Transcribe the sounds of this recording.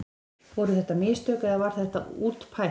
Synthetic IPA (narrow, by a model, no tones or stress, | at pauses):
vɔɾʏθɛht̪ːamɪst̪œːkaðavaɾ̥θɛht̪a̰uːt̪pʰa